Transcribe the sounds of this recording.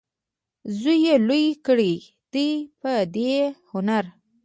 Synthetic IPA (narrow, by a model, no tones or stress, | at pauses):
zujelujkəɽi | d̪̥ujpəd̪ehʊnaɾ